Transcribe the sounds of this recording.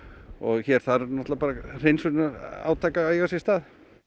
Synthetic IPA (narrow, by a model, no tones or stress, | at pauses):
ɔɣçɛɾ̥θaðɾnɔt̪lapaːɾar̥ejnsʏnaɾa̰ːwt̪ʰaːkaeɣasɛst̪aːð